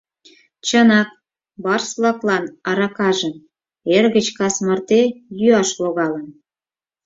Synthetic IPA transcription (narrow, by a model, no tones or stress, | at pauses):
t͡ɕənɑk̚ | bɑrslɑklɑnɑɾɑkɑʒəm | erɣə̆t͡ɕkɑsmɤrt̪ejyɑʃloɣɑlən